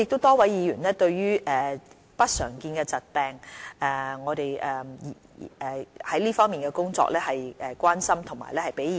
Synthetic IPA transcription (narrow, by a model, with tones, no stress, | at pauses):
ɪ˨k̚t̪o˥wt̪ɔː˥wɐ˨˥jjiː˨˧jyː˨˩nlɛː˥t̪ɵ˧ɥɥyː˥ʔɛː˨˩ | pɐ˥t̚sœː˨˩ŋkiː˧nkɛ˧t͡sɐ˨t̚pɛː˨ŋɛː˨˩ŋɔː˨˧t̪e˨jʔɛ˨ | ɛ˨hɐ˨˦jliː˥fɔː˥ŋmiː˨nkɛ˧kʊ˥ŋt͡sɔ̰ː˧k̚lɛː˥hɐ˨jɛː˨kwaː˥nsɐ˥mt̪ʰʊ˨˩ma̰˨˩lɛː˥hɐ˨jpe˨˥j